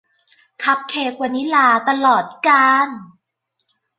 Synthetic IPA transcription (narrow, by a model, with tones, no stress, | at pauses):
kʰa˦˥p̚kʰeː˧k̚kwaː˨˩ni˦˥laː˧t̪a˧lɔː˨˩t̪̚kaː˧n